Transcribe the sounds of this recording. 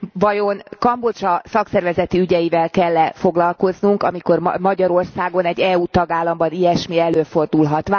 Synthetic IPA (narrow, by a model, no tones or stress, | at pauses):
vɒjo̞nkɒmbo̞t͡ʃɒsɒksɛrvɛzɛt̪iyɟɛjivɛlkɛlːɛfo̞ɡlɒlko̞znuŋkɒmiko̞rmɒɟɒɾo̞rsaːɡo̞nɛɟːɛuːt̪ɒɡaːlːɒmbɒnijɛʃmiɛløːfo̞rd̪ulɦɒt̪ʋa